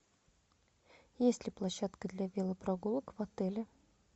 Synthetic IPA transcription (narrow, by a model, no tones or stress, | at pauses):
jesʲlʲɪplˠɐɕːat̪kəd̪lʲavʲelˠəpɾɐɡulˠəkvɐt̪ɛlʲɪ